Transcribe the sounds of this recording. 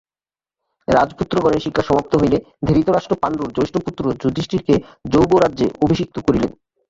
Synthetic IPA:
ɾad͡ʑput̪ːɾoɡɔneɾʃikʰːaʃɔmap̚t̪oɦojle | d̪ʱiɾit̪oɾaʃʈɾopanɾuɾd͡ʑojʃʈoput̪ːɾod͡ʑud̪ʱːiʃʈiɾked͡ʑowboɾadːʑeobʱiʃik̚t̪okoɾilḛn

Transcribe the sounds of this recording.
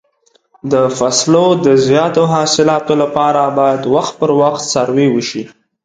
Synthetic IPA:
d̪əfaslod̪əzjɑt̪oɦɑsɪlɑt̪olapɑɾabɑjad̪waxt̪̚pəɾwaxt̪saɾwewəʃi

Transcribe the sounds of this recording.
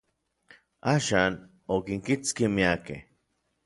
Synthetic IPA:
aʃaːn | okiŋkit͡skimiakḛ

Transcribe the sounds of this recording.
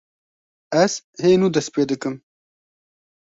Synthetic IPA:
ɐshenud̪ɐspeːd̪əkɨm

